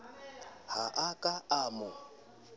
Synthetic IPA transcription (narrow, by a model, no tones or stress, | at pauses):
haʔakʼaamʊ